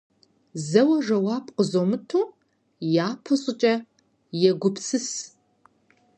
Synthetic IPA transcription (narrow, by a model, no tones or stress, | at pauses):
zɐwɐʒɐwaːpʼqəzomɨtʰuː | jaːpʰɨɕʼɪt͡ʃʼɐ | jɛɡʷʊpsɨs